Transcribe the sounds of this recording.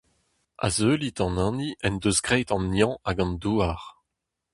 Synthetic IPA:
a̰zøːlit̪ɑ̃nɑ̃niʔɛnd̪øzɡʁɛjt̪ɑ̃nːjɑ̃aɡɑ̃nd̪uːaʁ

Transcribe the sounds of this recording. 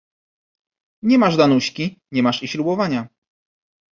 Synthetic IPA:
ɲɛmaʐd̪anuɕkʲiɲɛmaʂiɕlubɔvaɲa

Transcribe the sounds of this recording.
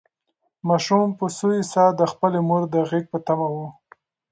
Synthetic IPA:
mɑʃumpəsuisɑd̪əxpəlemuɾd̪əɣek̚pət̪amawu

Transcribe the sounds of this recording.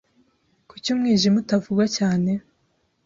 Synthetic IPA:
kucumŋiːʒimutavuɡwacaːne̞

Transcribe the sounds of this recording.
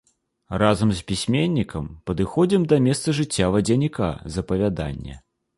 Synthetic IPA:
razɐmsʲpʲisʲmʲenʲːikɐmpɐd̪ɨxɔd͡zʲimd̪ɐmʲɛst̪sɐʐɨt͡sʲːavɐd͡zʲɐnʲika̰zɐpɐvʲad̪a̰nʲːɛ̰

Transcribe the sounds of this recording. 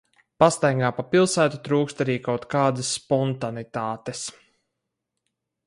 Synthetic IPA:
past̪ajŋɡaːpapilˠsæːt̪ut̪ɾuːkst̪aɾiːkawt̪kaːd̪əsːpɔnt̪anit̪aːt̪es

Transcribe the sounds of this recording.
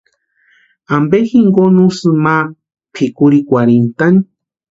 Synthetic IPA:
ambexiŋɡonusɨma | pʰikuɾikʷaɾent̪ani

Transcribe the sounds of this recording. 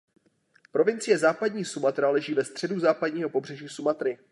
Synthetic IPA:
pɾo̞vɪnt͡sɪjɛzaːpadɲiːsumat̪ɾalɛʒiːvɛst̪r̝̥ɛduzaːpadɲiːɦo̞po̞br̝ɛʒiːsumat̪ɾɪ

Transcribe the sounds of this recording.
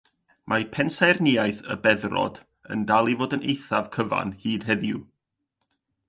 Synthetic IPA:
mʔapʰɛnsarniajθə̰bɛðrɔ̰d̥ | ə̰ndalˠivoːdənejθav̥kʰəva̰nhiːd̥ɦɛðjṵ

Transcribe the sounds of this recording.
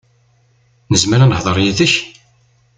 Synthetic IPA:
nəzməɾanəħðˤəɾˤjæθəç

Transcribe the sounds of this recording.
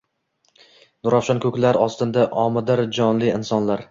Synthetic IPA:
nʊɾafʃɒnkʰɵkʲlaɾɒst̪ɪnd̪aʔɒmɪd̪ɪɾd͡ʒɒnlɪɪnsɒnlaɾ

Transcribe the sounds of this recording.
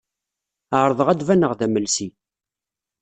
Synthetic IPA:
əʕɾˤðˤəʁæd̪vænəʁðæməlsi

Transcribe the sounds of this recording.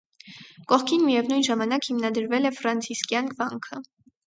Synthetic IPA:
kɔχkʰinmijɛvnujnʒɑmɑnɑkhimnɑd̪əɾvɛlɛfɾɑnt͡sʰiskjɑnɡvɑŋkʰə

